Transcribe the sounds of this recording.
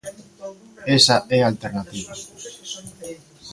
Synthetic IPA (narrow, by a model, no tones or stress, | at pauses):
esaʔɛalt̪eɾnat̪iβa